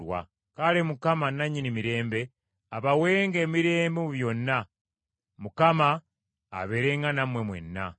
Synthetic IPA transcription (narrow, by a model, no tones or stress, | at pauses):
wa̰ | kalemukamanːaɲːinimiɾe̞ːmbe̞ | aβawe̞ːŋɡe̞ːmiɾe̞ːmbemuβjo̞nːa | mukama̰ː | βe̞ɾe̞ŋɡanamwe̞mwe̞̰nːa̰